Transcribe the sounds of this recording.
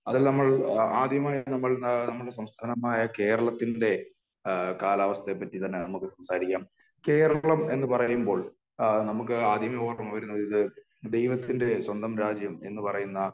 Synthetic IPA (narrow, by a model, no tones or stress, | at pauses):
ɐðilnɐmːɐɭaːd̪ʱjɐmaːjɐnɐmːɐɭnɐmːɐɭɽesɐmst̪ʰaːnɐmaːjɐke̞ːɾɐɭɐt̪ːinde̞ | kaːlaːʋɐst̪epːɐtːit̪ɐnːenɐmukːɨsɐmsaːɾikʲːaːm | ke̞ːɾɐɭɐme̞nːɨpɐrɐjumbo̞ːɭ | nɐmuk̬ːɨaːd̪ʱjɐmɐoːrɐmɐʋɐɾunːɐðiðɨ | d̪e̞jʋɐt̪ːinde̞swɐnd̪ʱɐmɾaːd͡ʑjɐme̞nːɨpɐrɐjunːɐ